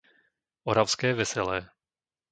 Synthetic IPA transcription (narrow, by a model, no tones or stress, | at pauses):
ʔoɾafskɛːvɛsɛlɛː